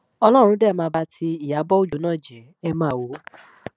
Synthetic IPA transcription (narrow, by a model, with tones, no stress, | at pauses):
ɔ˧lɔ˦ɾ̃ũ˧˦dɛ˦˨mãː˧ba˧tʰi˧i˨ja˨˦bɔ˦o˦˨d͡ʒũ˨˦nãː˦˨d͡ʒɛ˨ | ɛ˦mãː˦˨wo˨˦